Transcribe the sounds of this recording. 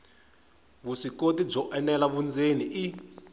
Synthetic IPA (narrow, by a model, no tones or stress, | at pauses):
βusikotib͡ʐɔʔɛnɛlaβund͡zeniʔi